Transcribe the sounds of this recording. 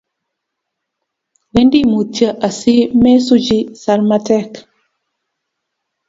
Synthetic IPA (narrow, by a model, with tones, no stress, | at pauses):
we˦ndi˦mu˨tjə˨ʔa˨si˦mɛ˦su˦d͡ʒi˦sa˨lma˦tɛ˦˨k